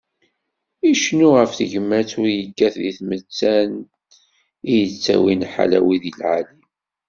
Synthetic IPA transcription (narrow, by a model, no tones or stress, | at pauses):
iʃnuʁəfθəʝmæt͡sʊɾjəɡːæθðiθmət͡sːæn | ijət͡sːæ̰winħa̰læ̰wiðilʕalim